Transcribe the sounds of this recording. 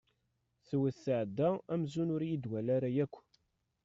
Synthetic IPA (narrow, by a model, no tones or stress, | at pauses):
θwəθːəʕd̪ːææmzunʊɾjid̪wælaɾajækʷː